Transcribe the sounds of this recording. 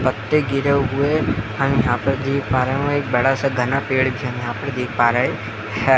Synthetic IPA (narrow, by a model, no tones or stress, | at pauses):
pɐt̪ːeɡɪɾeɦʊeɦɐmjɐɦãːpəɾd̪eːk̚ʰpaːɾeɦẽek̚bɐɽasaɡʱɐnapeːɽbʱiɦɐmjɐɦãːpəɾd̪eːk̚paːɾəɦe | hɛː